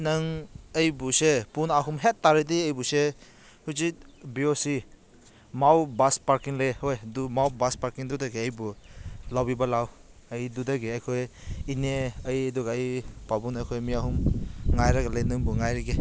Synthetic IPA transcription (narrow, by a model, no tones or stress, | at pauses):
nɯŋɐjbusepunaɦumɦetːaɾediəjbuse | huzit̚biosi | mawbaspaɾkiŋlehojdumawbaspaɾkiŋdudaɡeəjbulawbibalaw | ɐjdudaɡeajkʰojineəjdɔɡaːjpabunajkʰojmiaɦumŋajɾaɡalejnɯŋbuŋajɾiɡe